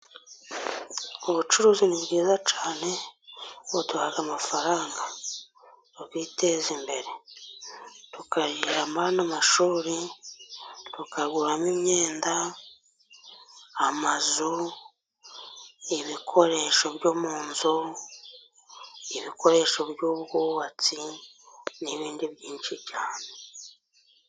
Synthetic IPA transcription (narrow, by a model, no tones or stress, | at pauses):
oβut͡ʃuɾuːziniβɡiːzat͡ʃaːne̞ | otuhaɡamafaɾaːŋɡa | oɡwite̞zimbe̞ɾe̞ | tukaɾiɾamanamaʃuːɾi | tukaɡuɾamimɲe̞ːnda | mazu | iβikʰo̞ɾe̞ʃo̞βjo̞ːmuːnzo | iβikʰo̞ɾe̞ːʃo̞βjuβɡuːβat͡si | niβiːndiβjiːnʃiβɟaːne